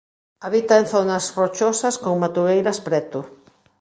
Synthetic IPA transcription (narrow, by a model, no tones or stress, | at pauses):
aβit̪aenθonɐsrot͡ʃosɐskoŋmat̪uβejɾɐspɾɛt̪ʊ